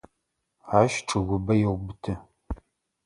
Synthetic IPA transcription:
aːʃʈ͡ʂʼɨɣʷʊbɐjɛwbɨtʰɨ

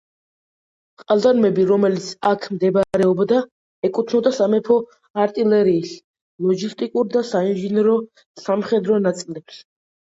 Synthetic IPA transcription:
χʼazd̪anmɛbiɾɔmɛlit̪sʰakʰmd̪ɛbɾɛɔbd̪a | ɛkʼut̪ʰnɔd̪asamɛpʰɔ | aɾt̪ʼilɛɾiːs | lˠɔɡist̪ʼikʼuɾd̪asainʒinɛɾɔ | samχɛd̪ɾɔnat̪sʼlɛps

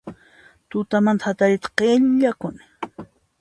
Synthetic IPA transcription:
t̪ʊt̪amant̪hat̪aɾɪt̪ḁqeʎʎakʊnɪ̥

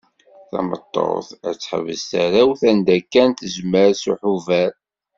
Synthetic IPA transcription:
θæ̰mə̰t̪ˤːo̰θæ̰t͡sːħə̰və̰zt̪æɾæwθænd̪ækːænt̪əzməɾsuħuvæɾ

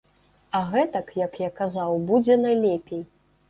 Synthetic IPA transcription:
ɐɣɛt̪ɐkjɐkjakazawbud͡zʲɛnajlʲɛpʲej

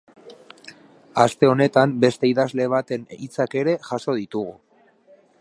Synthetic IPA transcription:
ast̪e̞o̞ne̞t̪ambe̞st̪e̞iðazle̞β̞at̪e̞nḭt͡sake̞ɾe̞ʝaso̞ðit̪uɣu

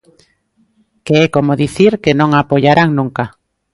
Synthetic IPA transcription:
keɛkomoðiθiɾkenõŋapoʎaɾʔaŋnũŋka

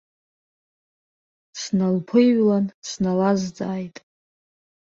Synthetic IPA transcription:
snalpʰɨɥlansʰnalazd͡zaːjtʼ

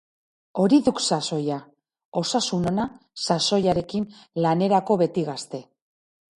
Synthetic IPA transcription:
o̞ɾiðuksaso̞ja | o̞sasuno̞na | saso̞jaɾe̞kinlane̞ɾako̞βe̞t̪iɣast̪e̞

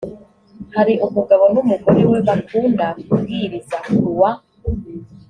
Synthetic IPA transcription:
haɾiʔomuɡaβonomuɡoɾiweβakuːndakuɡiɾizauɾuwa

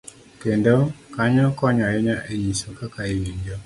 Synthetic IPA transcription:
kendokaɲɔkɔɲɔjɛɲaʔeɲisokakaiwiɲd͡ʒo

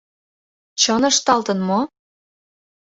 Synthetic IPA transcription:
t͡ɕɤnɤʃt̪ɑlt̪ɤ̆nmo

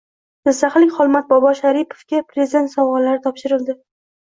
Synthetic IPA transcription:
mɪzsaχlɪŋʲχɒlˠmat̪̚bɒbɒʃaɾipʰo̥vkʲapʰɾezʲid̪e̞nt̪sɒwʁɒlːaɾɪt̪ʰɒpʃɪɾɪld̪ɪ

